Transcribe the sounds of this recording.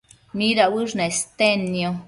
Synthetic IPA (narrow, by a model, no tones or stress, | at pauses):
miɾawɨʐnest̪enːjo